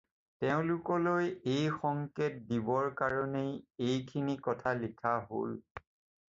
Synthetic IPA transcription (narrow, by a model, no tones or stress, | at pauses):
tɛʊ̃lʊkɔlojejxɔŋket̚dibɔɹkaɹɔnejejkʰinikɔtʰalikʰaɦo̰l